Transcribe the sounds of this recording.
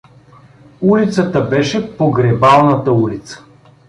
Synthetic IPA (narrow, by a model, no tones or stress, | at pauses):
ulit̪sət̪əbɛʃɛpoɡɾɛbalˠnət̪əulit̪sə̥